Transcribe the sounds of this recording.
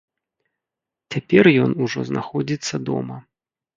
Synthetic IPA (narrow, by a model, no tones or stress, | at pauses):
t͡sʲapʲɛrjɔnuʐɔzna̰xɔd͡zʲit̪sːɐd̪ɔ̰mɐ